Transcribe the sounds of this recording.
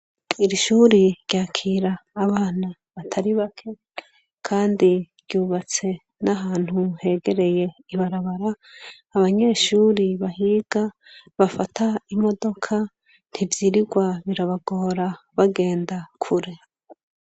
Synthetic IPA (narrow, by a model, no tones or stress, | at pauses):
iɾiʃuːɾiɾjaːkʰiːɾaːβaːna | βatʰaɾiβakʰe̞ | kʰaːndiɾjuːβat͡se̞ | naɦaːn̥huhe̞ːɡe̞ɾe̞je̞iβaɾaβaɾaː | βaɲe̞ːʃuːɾiβaɦiːɡ̥a | βafatʰaimo̞do̞kʰa | n̥hivjiɾiɡwaβiɾaβaɡo̞ːɾa | βaɡe̞ːndakʰuɾe̞